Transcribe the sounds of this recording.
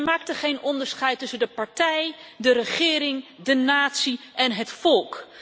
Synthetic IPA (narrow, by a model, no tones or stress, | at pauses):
maːk̚təχejnɔndəɹsχɛjtʏsəndəpɑɹtɛjdəɾəχɪːɾɪŋdənaːtsiʔɛnɦətfɔlˠk